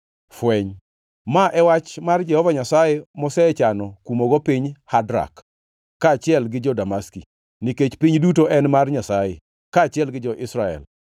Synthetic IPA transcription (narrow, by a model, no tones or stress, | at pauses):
fwɛɲ | maʔɛwat͡ʃmard͡ʒɛhɔvaɲasajemɔsɛt͡ʃanɔkumoɡɔpiɲhadɾa̰kː | aːt͡ʃɪɛlɡɪd͡ʒɔdamaski | niket͡ʃpiɲdutoʔɛnmarɲasajḛ | kaːt͡ʃɪɛlɡɪd͡ʒɔʔɪsɾaɛ̰l